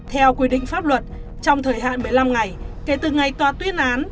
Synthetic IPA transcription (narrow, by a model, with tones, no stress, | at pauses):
t̪ʰɛ˧wkwi˧ɗḭ˧˨ŋ̟faː˦˥p̚lwə˨˩t̚ | t͡ɕɔ˧wŋ͡mt̪ʰəː˨˩jɦa̰ː˧˨nɓə˨˩jla˧mŋa˨˩jke˨˩˦t̪ɨ˨˩ŋa˨˩jt̪waː˧t̪wi˨˦ənʔaː˨˦n